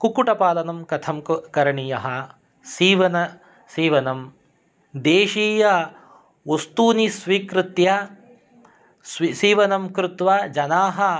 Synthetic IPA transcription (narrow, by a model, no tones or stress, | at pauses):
kukuʈɐpaːlɐnɐmkɐt̪ʰɐmkɐɾɐɳijɐɦɐ | siːʋɐnɐ | siːʋɐnɐm | d̪eːʃiːjɐ | ʋɐst̪uːnisʋiːkɾɪt̪jɐ | sisiːʋɐnɐmkɾɪt̪ʋɐd͡ʒɐnaːɦɐ